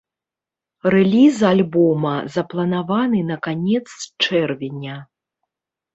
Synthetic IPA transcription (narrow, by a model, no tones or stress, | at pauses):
rɛlʲizalʲbɔmɐzɐplˠɐnavanɨnɐkanʲɛt̪st͡ʂɛrvʲenʲɐ